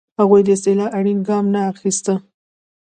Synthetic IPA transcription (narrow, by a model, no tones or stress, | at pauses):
haɣujd̪əɪst̪ɪlɑʔaɽinɡɑmnaːxist̪ə